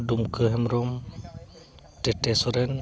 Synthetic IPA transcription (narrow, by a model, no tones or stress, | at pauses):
dumkʰɯɦɛmɾɔm | tetesɔɾɛn